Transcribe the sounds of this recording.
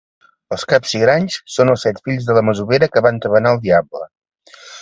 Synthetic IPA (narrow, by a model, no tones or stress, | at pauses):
əlˠskapsiɣɾaɲssonəlˠsɛt̪fiʎzðələməzuβeɾəkəβant̪əβənaəlˠd̪iablə̰